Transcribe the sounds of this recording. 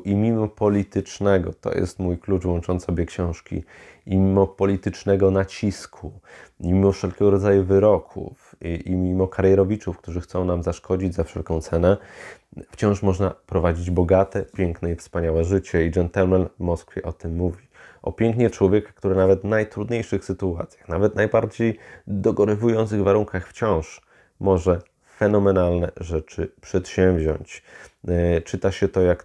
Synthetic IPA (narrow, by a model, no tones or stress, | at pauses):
ʔimʲimɔpɔlʲit̪ɘt͡ʂnɛɡɔ̰t̪ɔ̰jʔɛ̰st̪mujklut͡ʂvwɔ̃nt͡ʂɔnsɔbʲjɛkɕɔ̃w̃ʂkʲḭimʲimɔpɔlʲit̪ɘt͡ʂnɛɡɔnat͡ɕiskʰumʲimɔfʂɛlkʲɛɡɔɾɔd̪zajuvɘɾɔkʰṵfiimʲimɔkaɾjɛɾɔvʲit͡ʂufkt̪uʐɘxt̪sɔ̃w̃namzaʂkɔd͡ʑid͡ʑzafʂɛ̰lkɔ̃w̃t̪sɛnɛ | ft͡ɕɔ̃w̃ʂmɔʐnapɾɔvad͡ʑid͡ʑbɔɡat̪ɛpʲjɛŋknɛifspaɲawɛʐɘt͡ɕɛid͡ʐɛnt̪almalvmɔskfʲjɛʔɔt̪ɘmːuvʲiʔɔ̰pʲjɛŋkɲɛt͡ʂwɔvʲjɛkḁk̚t̪uɾɘnavɛt̪vnajt̪ɾud̪ɲejʂɘxsɘt̪ua̰t̪sʲjḁxnavɛt̪najbaɾd͡ʑejd̪ɔɡɔɾɛvujɔnt̪sɨɣvaɾuŋkaxft͡ɕɔ̃w̃ʂ | mɔʐɛ | fɛnɔmɛnalnɛ̰ʐɛt͡ʂɘpʂɛt̪ɕɛ̃mvʑɔ̰ɲt͡ɕ | t͡ʂɘt̪aɕɛt̪ɔjak